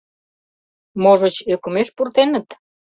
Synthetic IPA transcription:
moʒət͡ɕøkumeʃpurt̪enə̆t̪

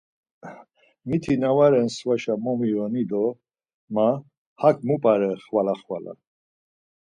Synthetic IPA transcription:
mit̪ʰinavaɾɛnsvaʃamɔmiɔnid̪ɔ | ma | hakʰʼmupʼaɾɛχvalaχvala̰

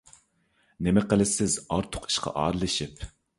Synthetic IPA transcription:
nemɛqəlɪsɪzɑɾt̪ʰʊ̥qʰi̥ʃqʰɑ̰ʔɑ̰ːɾɨlˠɪʃip

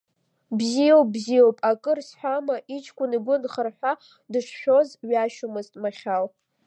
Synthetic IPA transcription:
bzijowbzijowpʼakʼɨrsħʷamaʔit͡ʃʰkʷʼʊniɡʷʊnχərħʷᶣa | dɨʂʃᶣo̞zɥaʃʊmɨztʼmaχʲal

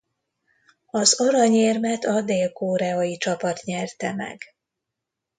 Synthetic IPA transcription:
ɒzoɾɒɲeːrmɛt̪ɒd̪eːlkoːɾɛojit͡ʃɒpɒt̪ɲɛrt̪ɛmɛ̰ɡ̥

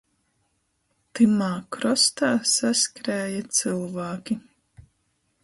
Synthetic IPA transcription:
t̪ɨmaːkɾɔst̪aːsaskɾæːjat̪sɨlˠvaːkʲi

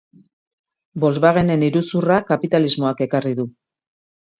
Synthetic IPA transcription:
bo̞lzβaɣ̞ene̞niɾusurakapit̪alizmo̞ake̞kariðu

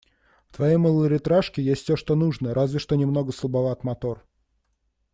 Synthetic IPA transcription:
ft̪vɐjejməlˠəɾʲɪt̪ɾaʂkʲɪjesʲt̪ʲsʲoʂt̪o̞nuʐnəɾʔazvʲɪʂt̪o̞nʲɪmno̞ɡəsəlˠbɐvat̪mɐt̪o̞r

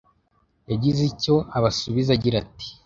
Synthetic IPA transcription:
jaɟizico̞aβasuβizaɟiɾati̥

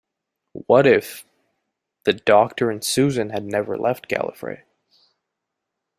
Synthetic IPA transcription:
wʌɾɪf | ðɨdɔk̚tə˞ɨ̃nsʉzɨ̃nɨdⁿnɛvə̰˞lɛft̚ɡ̥æ̰lˠə̰fɹḛɪ

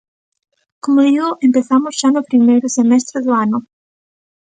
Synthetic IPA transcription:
komʊðiɣoʔempeθamʊzʒ̥anʊpɾimejɾʊsemɛst̪ɾeðʊanʊ

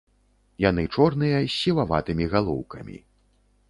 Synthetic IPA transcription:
jan̪ɨt͡ʂɔrnɨjɐsʲːivava̰t̪ɨmʲiɣalˠɔ̰wkɐmʲḭ

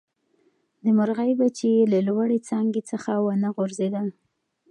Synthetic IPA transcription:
d̪əmʊɾɣajbat͡ʃeelalwaɽet͡sɑŋɡet͡səxawənəɣoɾzed̪a

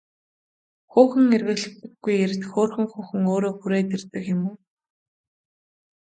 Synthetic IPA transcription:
xuːxɘ̆ŋerɣɘ̆ɮɘ̆kt̪ɘ̆ɡːujer̆t̪xoːrxɘ̆ŋxʊːxɘ̆ŋoːɾoːxuɾeːt̪ert̪ɘ̆kjʊmuː

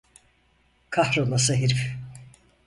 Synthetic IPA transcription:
kʰahɾolˠasaɦiɾf

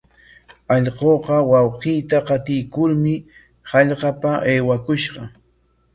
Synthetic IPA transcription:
ɑʎqoːqɑwɑwqiːt̪aqɑt̪ɪjkʊɾmɪ | hɑʎqɑpaʔejwakʊʃɢɑ

